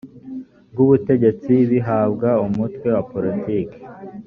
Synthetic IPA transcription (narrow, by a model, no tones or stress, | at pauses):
b̚ɡuβute̞ɟe̞t͡siβiɦabɡaumutwe̞wapoɾitiːke̥